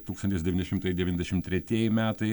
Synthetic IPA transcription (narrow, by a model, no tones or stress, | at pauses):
t̪uːkst̪ɐnʲt̪ʲɪsd̪ʲɛʋʲinʲɛʃʲɪmt̪ɐɪd̪ʲɛʋʲinʲɛzd̪ʲɛʃʲɪmt̪ʲɾʲɛt̪ʲieɛjɪmʲæːt̪ɐɪ